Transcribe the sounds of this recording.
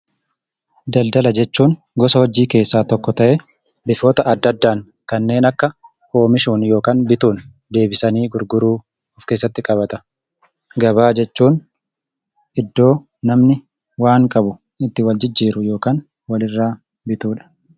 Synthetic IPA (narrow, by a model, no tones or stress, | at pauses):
d̪ɐld̪ɐlɐd͡ʒɛt͡ʃːuːn | ɡɔsɐwɐd͡ʒːiːke̞ːsːaːt̪ɔkːɔt̪ɐʔɛ | bɪfo̞ːt̪ɐɐd̪ːɐd̪ːaːŋ | kɐnːe̞ːnɐkːɐ | ho̞ːmɪʃuːnjo̞ːkaːnbɪt̪uːn | d̪e̞ːbɪsɐniːɡʊɾɡʊɾuː | ʊfkeːs̬ːɐt̪ːɪkʼɐβɐt̪ɐ | ɡɐbaːd͡ʒɛt͡ʃːuːn | ʔɪd̪ːo̞ː | nɐmnɪ | waːŋkʼɐbʊ | ɪt̪ːɪwɐld͡ʒɪd͡ʒːiːɾʊjo̞ːkaːn | wɐlɪrːaː | bɪt̪uːᶑɐ̥